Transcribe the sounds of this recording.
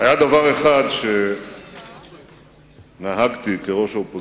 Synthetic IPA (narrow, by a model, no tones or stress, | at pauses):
ajad̪avaʁe̞χad̪ʃe̞ | naɦaɡt̪ikeʁo̞ʃaopo